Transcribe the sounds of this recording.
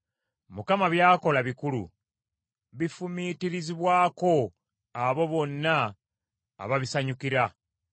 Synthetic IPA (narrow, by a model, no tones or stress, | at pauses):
mukamaβjaːko̞laβikulṵ | βifumitiɾiziβwaːko̞ | aβo̞βo̞nːa̰ː | βaβisaɲukiɾa